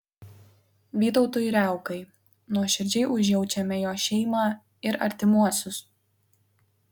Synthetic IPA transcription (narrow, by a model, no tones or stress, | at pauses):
ʋʲiːt̪ɔʊt̪ʊjɾʲæˑʊkɐɪ | nuɔʃʲɪɾʲd͡ʒʲɛɪʔʊʒʲjɛʊt͡ʃʲɛmʲɛjoːʃʲɛɪmɑː | ɪɾɐ̰ɾʲt̪ʲɪmuɔsʲʊs